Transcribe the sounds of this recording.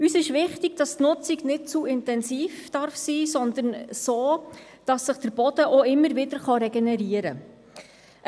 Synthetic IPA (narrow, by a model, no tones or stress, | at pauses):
ysɪʃʋɪχtiɡ̥̚d̥ɑstnʊt͡siɡnɪt̚t͡suɪntɛnsiːfd̥ɑrfsiːsɔnd̪ənsoː | d̥ɑsːəχd̥əɾb̥ɔd̥əʔoɪmːəɾʋɪdəɾχɑɾɛɡɛnɛɾiəɾə